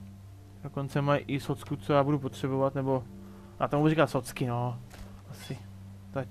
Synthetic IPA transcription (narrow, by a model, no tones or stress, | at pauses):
dokont͡sɛmajʔɪsot͡skut͡sojaːbudupot̪r̝̥ɛbovat̪nɛbo̞ | ja̰ːt̪omubuuɾikat̪sot̪t͡skɪno | asɪ | t̪ac